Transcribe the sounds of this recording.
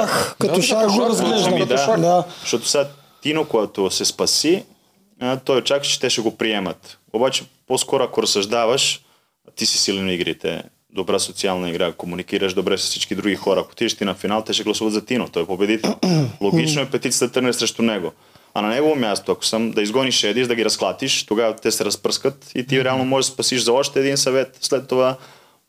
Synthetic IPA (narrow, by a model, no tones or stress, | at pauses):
axkaoaozeamd̪aaʃt̪ot̪o̥sad̪ | t̪inokojat̪osespasi | t̪ojet͡ʃakt͡ʃi̥t̪ɛʃɛɡopɾijemat̪ | obat͡ʃeposkoɾoakoɾosaʒd̪aʋaʃ | t̪isi̥siliniɡɾit̪ɛ̰ | d̪obɾasot̪sialnaiɡɾakomunikiːɾaʃd̪obɾesi̥sit͡ʃkid̪ɾuɡikoɾaakot̪id͡ʒeʃt̪inafinaːlt̪eʃeɡlˠasuʋat̪zat̪inot̪ojpobjed̪it̪nolˠoɡit͡ʃnojepet̪it̪iat̪rnesɾeʃt̪ɾuneɡo | a̰naɲeɡoʋomjaːst̪uako̥samd̪aizɡoniʃeːd̪iʃd̪aɡiɾasklˠat̪iʃt̪oɡat̪eseɾaspr̩skat̪it̪iɾɛalnomoʒeʃspasiʃzaoʃt̪ajed̪innsaʋet̪slet̪̚t̪oɡa